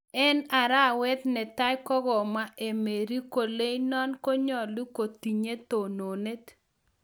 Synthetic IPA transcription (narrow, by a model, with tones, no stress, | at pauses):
ɛ˦na˨ɾa˦˨wɛ˦t̪nɛ˨t̪a˦jkɔ˦ɡɔ˨ma˦e˨me˨ɾi˦ko˨le˦jnɔ˦nkɔ˦ɲɔ˨li˦ko˨t̪i˨ɲe˦t̪o˨no˨ne˦t̪